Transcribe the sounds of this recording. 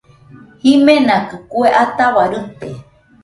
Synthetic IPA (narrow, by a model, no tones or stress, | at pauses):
himẽnakɨkueʔat̪aβaɾɨt̪e